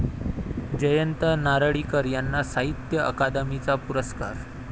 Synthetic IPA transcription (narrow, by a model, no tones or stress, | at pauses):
d͡ʑəjənt̪ənaɾəɭiːkəɾjanːasaɦit̪jəʔə̰kad̪əmit͡sapuɾəska̰ɾ